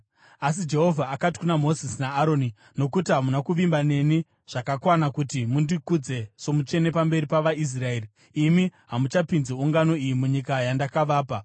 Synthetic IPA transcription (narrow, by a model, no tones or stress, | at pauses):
as̬id͡ʒe̞ɦo̞vʱaːkati̥kunamo̞zisinaːɾo̞ːni | no̞kutiɦamunakuʋimbane̞ni | ʐ̥akakwanakutimundikud͡ze̞so̞mut͡ʃe̞ne̞pambe̞ɾipaʋais̬rae̞ːri | imiɦamut͡ʃapinzeuŋɡano̞ijimuɲikajandakaʋaːpa